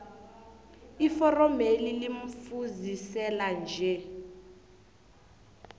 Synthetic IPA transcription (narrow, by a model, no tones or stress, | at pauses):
ifɔrɔmeliliɱ̩fuzisɛland͡ʒʱɛ